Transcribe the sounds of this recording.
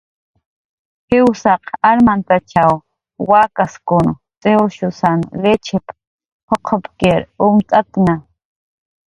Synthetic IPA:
hɪwsɑqaɾmant̪at͡ʃʰaw | wakaskʊn | t͡sʼewʃʊsanlet͡ʃʰɪp | hʰoqʰopkeɾʊmt͡sʼat̪na

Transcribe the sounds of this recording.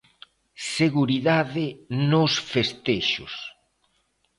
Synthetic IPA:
seɣuɾiðaðɪnʊsfest̪eʃʊ̰s

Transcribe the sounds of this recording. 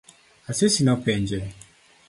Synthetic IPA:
asesinɔpɛɲd͡ʒɛ

